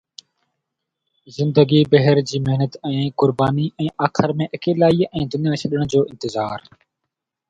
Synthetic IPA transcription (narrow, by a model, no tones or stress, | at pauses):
zɪ̃nd̪əɡiːbəɦəɾd͡ʑiːmeɦnət̪ɛ̃ːkʊɾbaːniːɛ̃ːʔaːxɪɾmẽːʔɐkeːlaːiːɛ̃ːd̪ʊnijaːsʰəɗəɽ̃d͡ʑoːʔɪ̃nt̪ɪzaːɾ